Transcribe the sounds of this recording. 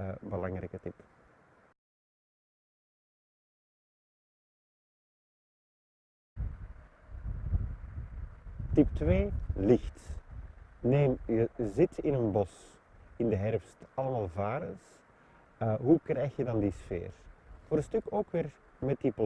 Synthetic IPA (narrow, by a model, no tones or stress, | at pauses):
bəlɑŋɾɛ̰jkətɪp | tiptweːlɪxt | neːmjəzɪtɪnənbɔs | ɪndəɦɛrfstɑləmaːlˠvaːɾəns | ɦukrɛjxjədɑndisfḛːrv̥oːɾənstʏkoːkʋɪːr | mɛt̚dipɔ